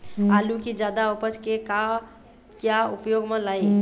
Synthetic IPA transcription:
alũkid͡ʒaːd̪aopət͡ʃkeka | kjaʊpjoːɡmə̃laːi

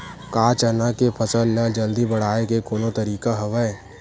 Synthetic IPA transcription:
kaːt͡ʃənakepʰɐsəlːɐd͡ʒɐld̪ibɐɽ̤aːekekoːnot̪ɐɾiːkaɦɐʋəe

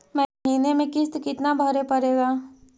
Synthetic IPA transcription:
mɛ̃ɦiːnemẽkɪst̪kɪt̪nabʱəɾepɐɾeːɡaː

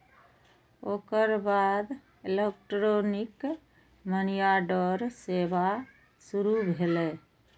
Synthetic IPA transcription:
okəɾbad̪ | elek̚ʈɾonik | mənijaɖɔɾseba | suɾubʱelɛ

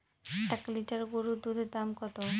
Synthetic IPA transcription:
ʈakliʈaɾɡoɾud̪ud̪ʱed̪amkɔt̪o

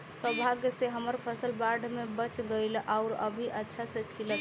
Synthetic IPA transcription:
səbʱaɡjseɦəməɾpʰəsəlbaɾɖʱmebət͡ʃɡəɪlʔaʊɾə̰bʱiʔətːʃʰasekʰilət̪

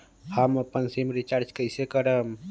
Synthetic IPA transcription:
həməpənsimɾit͡ʃaɾd͡ʒkəjsekəɾəm

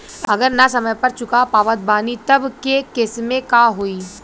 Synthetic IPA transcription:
ɐɡəɾnasɐməjpɐɾt͡ʃʊkapaːʋət̪̚baːnit̪ɐbkekɪsmẽkaɦoːiː

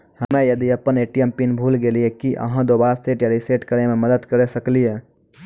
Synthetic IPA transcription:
həmẽjəd̪iəpəneːʈijempinbʱuːlɡeliekiʔə̰ɦãd̪obaːseʈjaɾiseʈkəɾememəd̪əd̪kəɾesəklije

